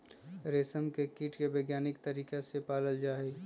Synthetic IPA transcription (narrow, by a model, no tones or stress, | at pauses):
ɾeːsəmkekiːʈkebəːɡjaːnɪkt̪ɐɾiːkesepaːləld͡ʒaːeɡ